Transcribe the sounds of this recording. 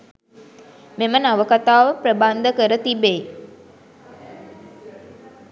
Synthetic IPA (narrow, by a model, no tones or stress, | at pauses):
memənaʋəkat̪aːʋəpɾəband̪əkəɾət̪ibej